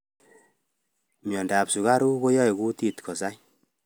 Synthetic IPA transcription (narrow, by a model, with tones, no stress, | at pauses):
mjɔ˨nda˨psu˨ka˦ɾu˦ko˦jɔ˦jku˦ti˦tkʰɔ˨sa˦j